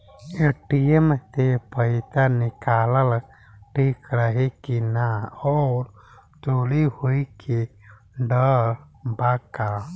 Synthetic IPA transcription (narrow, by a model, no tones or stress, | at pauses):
eʈijemt̪epəɪt̪anikaləl | ʈʰikɾəɦekinaɔɾ | t̪olihoikʰe | ɖəɾ | baka